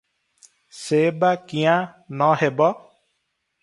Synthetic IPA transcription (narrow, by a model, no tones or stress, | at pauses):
seːbakijã | nɔɦebɔ